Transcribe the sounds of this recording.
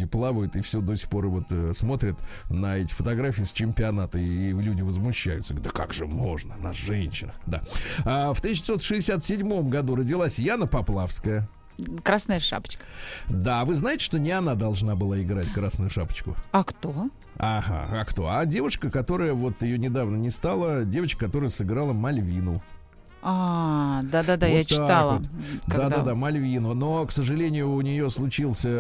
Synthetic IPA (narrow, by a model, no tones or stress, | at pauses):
ɪplˠavəjʊt̪ɨfsʲod̪osʲɪ̥xpo̞ɾɨvo̞t̪əsmo̞t̪ɾʲɪt̪nəɛtʲɪ̥fət̪ɐɡɾafʲiːsʲt͡ɕɪmʲpʲɪɐnat̪əilʲudʲɪvəzmʊɕːæjʊt̪sɡd̪əka̰kʐɨmo̞ʐnənɐʐɛnʲɕːɪ̰nəxd̪a̰aft̪ɨɕʲːɪ̥so̞t̪ʂɨɪsʲat̪sʲɪdʲmo̞mɡɐd̪urədʲɪlˠasʲjanəpɐplˠafskəjə | kɾasnəjəʂa̰pə̥t͡ɕkə̥d̪avɨznaɪtʲɪ̥ʂt̪o̞nʲɪɐnad̪ɐlˠʐnabɨlˠaɪɡɾatʲkɾasnʊjʊʂapə̥t͡ɕkʊ̰ɐkt̪o | aɦa̰akt̪o̞̰adʲe̞vəʂkəkɐt̪o̞ɾəjəvo̞t̪jɪjonʲɪd̪avnənʲɪst̪alˠədʲevət͡ɕkəkɐt̪o̞ɾɨjəsɨɡɾalˠəmɐlʲvʲinʊ̰ | a | d̪aad̪ajjat͡ɕ̪ɪaalˠədaad̪ad̪amɐlʲvʲinʊno̞ksəʐɨlʲenʲɪjʊːnʲɪjo̞slˠʊt͡ɕilˠsʲə